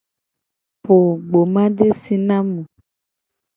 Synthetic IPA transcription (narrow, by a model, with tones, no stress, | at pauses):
po˨ɡ͡bo˨mã˦ɖe˦si˨nã˦mũ˨